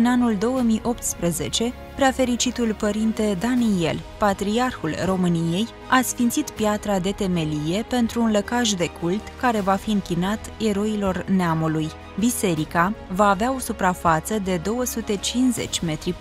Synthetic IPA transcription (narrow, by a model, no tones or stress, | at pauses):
ɨnanuld̪o̞wəmijʔo̞p̚t̪spɾəze̞t͡ʃe̞ | pɾeafe̞ɾit͡ʃit̪ulpəɾint̪e̞d̪anie̞̰lpat̪ɾiarxulro̞mɨnije̞j | asfint̪sit̪pjat̪ɾad̪e̞t̪e̞me̞lije̞pe̞nt̪ɾuːnləkaʒd̪e̞kult̪kaɾe̞vafiɨŋkʲinat̪e̞ɾo̞ilo̞rneamuluj | bise̞ɾikavaːveao̞supɾafat̪səd̪e̞d̪o̞wəsut̪e̞t͡ʃinze̞̰t͡ʃʲme̞t̪ɾi